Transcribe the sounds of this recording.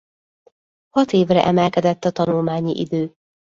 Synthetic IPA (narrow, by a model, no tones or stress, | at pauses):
hɒt̪eːvrɛ̰ʔɛmɛlkɛd̪ɛt̪ːɒt̪ɒnulmaːɲiʔid̪øː